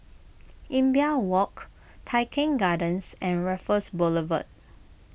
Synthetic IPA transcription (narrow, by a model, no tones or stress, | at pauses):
ʔĩmbiawɔk | tʰajkʰɛ̃ŋɡadə̃nsɛ̃nɹɛfəsbɔləvə̰t̚